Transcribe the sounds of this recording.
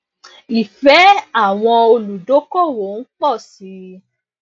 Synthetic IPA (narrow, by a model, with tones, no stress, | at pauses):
i˨fɛ˨˦a˦˨w̃ɔ̃˧o˧lu˨do˨˦kɔ˦˨wo˨˦n̩˦k͡pɔ˦˨si˨˦